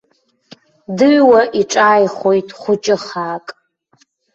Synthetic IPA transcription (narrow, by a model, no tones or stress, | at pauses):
dɨɥwaʔiʈ͡ʂʼaːjχojtʼχʷʊt͡ʃʼɪχaːkʼ